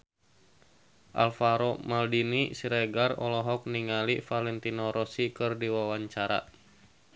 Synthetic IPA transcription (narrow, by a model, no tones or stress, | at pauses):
ʔa̰lfaɾɔmaldinisiɾɛɡarɔlɔɦɔk̚niŋalifalɛnt̪inɔɾɔsikɨrdiwawaɲt͡ʃaɾa̰